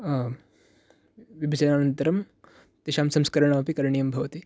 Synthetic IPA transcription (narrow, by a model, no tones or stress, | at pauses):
ʋibʱisɐjnaːnɐnt̪ɐɾɐm | t̪iʃaːmsɐmskɐɾɐɳ̃aːʋɐpikɐɾɳijɐmbʱɐʋɐt̪i